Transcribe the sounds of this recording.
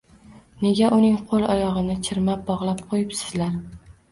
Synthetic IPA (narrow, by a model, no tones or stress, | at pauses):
ne̞ɡʲaʔʊnɪŋqʰolˠɒjɒʁɨnɪt͡ʃʰɪɾmap̚bɒʁlˠap̚qʰojɪpsɪ̥zlaɾ